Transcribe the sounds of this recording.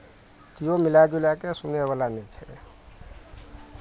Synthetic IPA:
k̪ijomilad͡ʒulakesuneβalanɛt͡ʃʰɛḛ

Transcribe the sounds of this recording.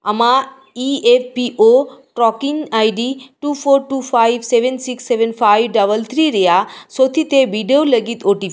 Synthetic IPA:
ə̰ma | iefpiʔoʈɾɔkiŋɡajɖiʈupʰoɾʈufʰajʋseʋənsiksːeʋənfʰajʋɖəʋəlt̪ʰɾiɾəjasot̪ʰit̪eʋiɖioləɡit̪oʈi

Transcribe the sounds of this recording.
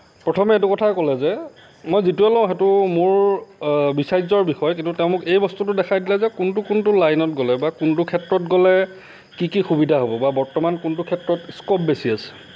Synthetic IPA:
pɹɔtʰɔmɛetukɔtʰakɔlɛzɛ | mojzituɛlɔ̃ʊ̃ɦɛtʊmʊɹ | bisajzɔɹbixɔjkintuteʊ̃mʊkejbɔstutʊdɛkʰajdilɛzɛkʊntʊkuntʊlajnɔt̚ɡɔlɛbakuntʊkʰɛtɹɔtɡɔlɛ | kikixubidʱaɦobɔbabɔɹtɔmankuntukʰɛtɹɔtskɔp̚besiasɛ̥

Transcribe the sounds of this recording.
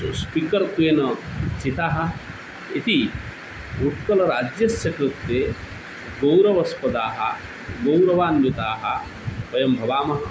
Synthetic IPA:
spikɐɾk̪ujenɐt͡ʃit̪aːɦɐ̆ | it̪i | uʈkɐlɐɾaːd͡ʒjɐsjɐkɾut̪ːeː | ɡɐwɾɐʋɐspɐd̪aːɦɐ̰ | ɡɐwɾɐʋaːnjit̪aːɦɐ̆ | ʋɐjɐmbʱɐʋaːmɐɦɐ

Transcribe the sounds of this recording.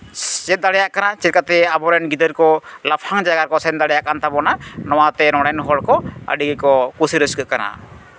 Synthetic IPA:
d͡ʒɛt̪̚d̪aɽɛjaʔkanat͡ʃikat̪ɛabɔɾɛnɡid̪əɾkɔlapʰaŋd͡ʒaɡaɾkɔsɛnd̪aɽɛjaʔkant̪abɔnanɔwat̪ɛɾɔɽ̃ɛnɦɔlkɔə̰ɖiɡikɔkusiɾəskəʔ̪̚kana̰

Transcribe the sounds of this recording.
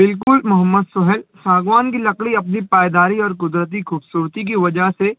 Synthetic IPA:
bɪlk̬ʊlmʊɦəmːəd̪sʊɦɛlsaːɡʋaːnk̬ilɐkɽiɐpnipaːjd̪aːɾiɔːɾkʊd̪ɾət̪̬ikʰuːbsuːɾt̪ik̬iʋɐd͡ʒəɦse

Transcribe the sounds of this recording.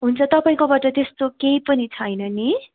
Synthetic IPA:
ɦunt͡sʰʌt̪ʌpaĩkobaʈʌt̪est̪okejpʌnit͡sʰʌjnʌni

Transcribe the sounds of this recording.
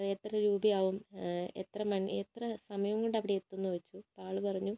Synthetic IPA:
et̪ːrɐɾuːbijaːʋumḛt̪rɐmɐnet̪rɐsɐmɐjɐʋuŋːoɳɖɐʋiɽeet̪ːunːuʋɐt͡ɕːupaːɭupɐrɐɲːu

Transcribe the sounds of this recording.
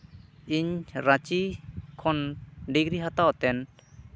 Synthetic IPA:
iɲɾat͡ʃikʰɔnɖiɡɾiɦat̪awt̪ɛn

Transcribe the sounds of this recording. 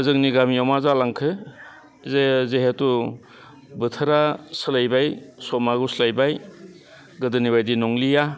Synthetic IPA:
ɯzɯŋniɡamijɔmazalaŋkʰɯ | zezeɦetu | bɯtʰɯɾasɯlajbajsɔmaɡuslajbaj | ɡɯdɯnibajdinɔŋlija

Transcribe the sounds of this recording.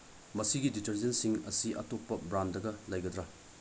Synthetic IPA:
mɐsiɡiditɐɾzensiŋɐ̰siʔɐ̰topːɐbɾandɐɡɐlɐjɡɐd̪ɾɐ

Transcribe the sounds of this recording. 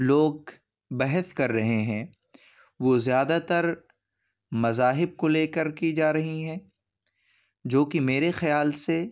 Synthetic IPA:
loːɡ̚ | bɛɦɛskɐɾːɐɦeɦɛ̃ː | ʋoːzjaːd̪at̪ɐɾ | mɐzaːɦɪb̚koleːkəɾkid͡ʒaːɾɐɦiɦɛ̃ː | d͡ʒoːkimeːɾexɐjaːlse

